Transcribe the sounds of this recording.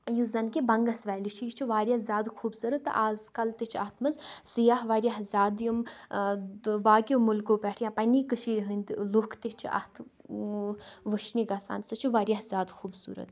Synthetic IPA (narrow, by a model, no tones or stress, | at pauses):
juzɐnkibɐŋɡɐsʋɛːlit͡ʃʰujit͡ʃʰuʋaːɾʲjazʲaːd̪xʰuːbsɨɾɐt̪ʔaːzkɐlt̪et͡ʃʰɐt̪ʰmɐzsijaɦʋaːɾjaɦzʲaːd̪jum | baːkʲjomulkoːpɛːʈʰjãːpɐniːkəʃiːɾʲɦɨnd̪lokʰt̪et͡ʃʰiʔɐ̰ht̪ʰ | ʋəʃnikaːsa̰ːnsɐt͡ʃʰuʋaːɾjaɦzʲaːd̪xuːbsṵːɾɐ̰t̪